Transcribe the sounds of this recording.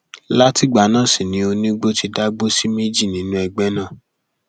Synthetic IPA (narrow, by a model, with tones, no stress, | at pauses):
la˦ti˦˨ɡ͡ba˨˦nãː˦˨si˨nĩ˨˦o˧nĩ˦ɡ͡bo˦ti˧da˦ɡ͡bo˦si˦me˦d͡ʒi˦˨nĩ˨˦nũ˦ɛ˧ɡ͡bɛ˦nã˦˨